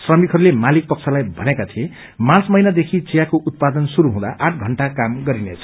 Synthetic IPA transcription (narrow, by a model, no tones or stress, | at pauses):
srʌmikɦʌɾulemalik̚pʌk̚t͡sʰalajbʱʌnekat̪ʰie | mãt͡smʌjnad̪ekʰit͡sijakoʔut̪̚pad̪ʌnsuɾuɦũd̪a̰ʔaʈ̚ʰɡʱʌɳʈakamɡʌɾinet͡sʰʌ